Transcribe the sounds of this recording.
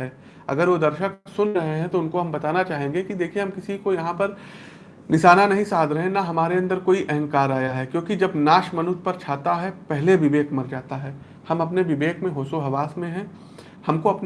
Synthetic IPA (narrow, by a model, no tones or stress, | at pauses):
ɛː | ɐ̰ɡəɾʋod̪ɐɾʃəksʊnɾɐɦeɦɛ̃t̪oʊnkoɦɐmbɐt̪aːnat͡ʃaːɦẽːŋɡekid̪eːkʰieɦɐmkɪsikojɐɦãpɐɾ | nɪʃaːnanɐɦĩsaːd̪ʱɾɐɦẽnaɦɐmaːɾeɐ̃nd̪əɾkoːiʔɛɦɛ̃ŋkaːɾaːjaɦɛkjõːkid͡ʒɐbnaːʃmɐnʊt̪̚pɐɾt͡ʃʰaːt̪aɦɛpɛɦleʋɪʋeːkmɐɾd͡ʒaːt̪aɦɛː | hɐmɐpneʋɪʋeːkmẽɦoːsoɦɐʋaːsmẽɦɛ̃ː | hɐmkoɐpn